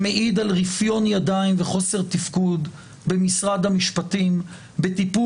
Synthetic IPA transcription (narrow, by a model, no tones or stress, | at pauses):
meʔid̪alʁifjo̞njadainveχo̞se̞ʁt̪ifkud̪ | be̞misʁad̪hamiʃpat̪im | be̞t̪ipu